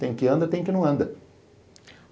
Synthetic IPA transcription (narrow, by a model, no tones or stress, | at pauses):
t̪ẽj̃kɪɐ̃nd̪ɐt̪ẽj̃kɪnɐ̃w̃ɐ̃nd̪ɐ